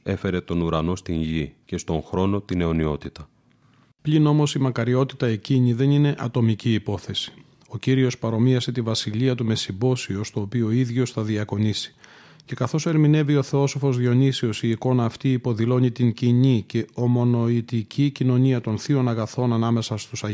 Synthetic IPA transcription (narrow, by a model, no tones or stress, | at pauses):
e̞fe̞ɾe̞t̪o̞nuɾɐno̞st̪iɲʝicest̪o̞ŋxɾo̞no̞t̪ine̞o̞nio̞t̪it̪ɐ | plino̞mo̞simɐkɐɾio̞t̪i̥t̪ɐe̞ciɲiðe̞nine̞ʔɐt̪o̞miciːpo̞θe̞si̥ | o̞ciɾio̞spɐɾo̞miɐse̞t̪ivɐsiliɐt̪ume̞sibo̞sio̞st̪o̞ːpioiðʝo̞sθɐðiɐko̞nisi̥ | ce̞kɐθo̞se̞ɾmine̞vio̞θeo̞so̞fo̞zðio̞nisio̞siːko̞nɐːft̪iːpo̞ðilo̞ɲit̪iɲciɲice̞o̞mo̞no̞it̪icicino̞ɲiɐt̪o̞nθio̞nɐɣɐθo̞nɐnɐme̞sɐst̪usɐ